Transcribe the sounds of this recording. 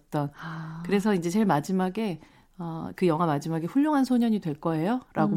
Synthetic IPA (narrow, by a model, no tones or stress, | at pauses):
t͈ʌnkɯɾe̞sʰʌind͡ʑe̞t͡ɕeɭmad͡ʑimaɡe̞ | ʌkɯjʌŋɦamad͡ʑimaɡe̞ɸuɭːoŋɦansʰoɲʌɲidwe̞ɭk͈ʌe̞joɾʔaɡo